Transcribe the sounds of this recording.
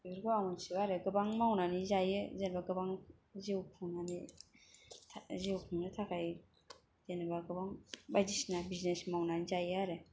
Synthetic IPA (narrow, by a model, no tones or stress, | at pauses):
biɾɡɯaŋunsiwaɾeɡɯbaŋmawnanizajɯzenbaɡɯbaŋ | zewpʰɯŋnani | tʰzewpʰuŋnatʰakʰaj | zenbaɡɯbaŋbajdisnabiznesmawnanizajɯaɾe